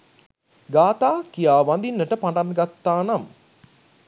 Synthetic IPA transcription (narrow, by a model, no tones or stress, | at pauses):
ɡaːt̪aːkijaːʋand̪inːəʈəpaɳɖanɡat̪ːaːnam